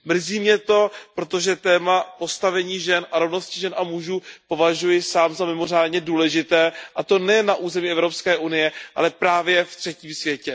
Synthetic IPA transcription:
mr̩ziːmɲɛt̪o̞pɾo̞t̪o̞ʒɛt̪ɛːmapo̞st̪avɛɲiːʒɛnʔaɾo̞vno̞scɪʒɛnʔamuʒuːpo̞vaʒujɪsaːmzamɪmo̞r̝aːdɲɛduːlɛʒɪt̪ɛːʔat̪o̞nɛjɛnːaʔuːzɛmiɛvɾo̞pskɛːʔunɪjɛʔa̰lɛpɾaːvjɛft̪r̝̥ɛciːmsvjɛcɛ

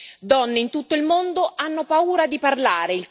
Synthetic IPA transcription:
d̪ɔnːeint̪ut̪ːoilmond̪oʔanːopauːɾad̪iparlaːɾeilt̪

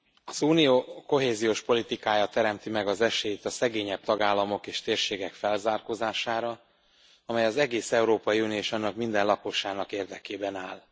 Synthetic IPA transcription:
ɒzuːnijoːko̞ɦeːzijoːʃpo̞lit̪ikaːjaːt̪ːɛɾɛmt̪imɛɡɒzɛʃeːjt̪ɒsɛɡeːɲɛb̚t̪ɒɡaːlːɒmo̞keːʃt̪eːrʃeːɡɛkfɛlzaːrkozaːʃaːɾɒ | ɒmɛjɒzɛɡeːsɛuɾoːpɒjiuːnijoeʃɒnːɒkmind̪ɛnlɒkoʃaːnɒkeːrd̪ɛkeːbɛnaːl

